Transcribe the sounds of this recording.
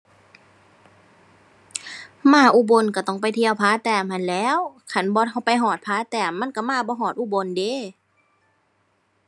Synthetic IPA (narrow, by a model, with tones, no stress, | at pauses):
maː˧˩˨ʔuː˧˨bo˧˨nka˧˩t̪ɔ˧˩˨ŋpa˧˨jt̪ʰi˧˨ə˨wpʰaː˧˥˨t̪ɛː˧˩˨mha˧˨nlɛː˧˥˨wkʰa˧˩˨nbɔː˧˦ha˧˩wpa˧jɦɔː˧˩t̪̚pʰaː˧˥t̪ɛː˧˩mmːa˧˥˨nka˧˩maː˧˥˨bɔː˧˦ɦɔː˧˩t̪̚ʔuː˧˨bo˧nde˧˦˨